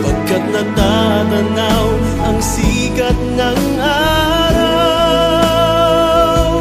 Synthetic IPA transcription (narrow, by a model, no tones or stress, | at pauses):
pɐɡ̚kɐt̪̚nɐt̪aɡɐnaw | ʔɐŋsiːkɐt̪̚nɐŋ | ʔa | ɾa